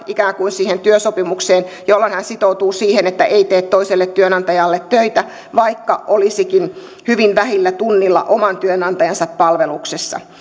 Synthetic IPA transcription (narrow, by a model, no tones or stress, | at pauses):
ʔikæːŋkuinsiːhent̪yøsopimukseːnjolːɑnhænsit̪out̪uːsiːhenet̪ːæʔeit̪eːt̪t̪ːoiselːet̪ːyønɑnt̪ɑjɑlːet̪tøit̪æ | ʋɑikːɑʔolisikin | hyʋinʋæhilːæt̪unːilːɑ̰ʔomɑnt̪yønɑnt̪ɑjɑnsɑppɑlʋeluksesːɑ̰